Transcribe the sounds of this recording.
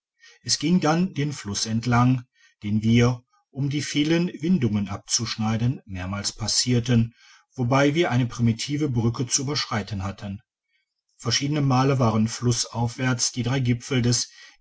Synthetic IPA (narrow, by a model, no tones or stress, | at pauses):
ʔɛsɡ̥ɪŋdandeːnflʊsɛntʰlaŋ | d̥eːnviːɐ | ʔʊmdiːfiːlənvɪndʊŋənʔap̚t͡suʃnaɪdənmeːɐmaːlspʰasiːɐtən | v̥obaɪviːɐʔaɪnəpʁ̥imitʰiːvəbʁʏkət͡suʔyːbɐʃʁ̥aɪtənhatʰən | fɛɐʃiːdənəmaːləvaːʁənflʊsʔaʊfv̥ɛɐt͡sd̥iːdʁaɪɡɪfl̩dɛs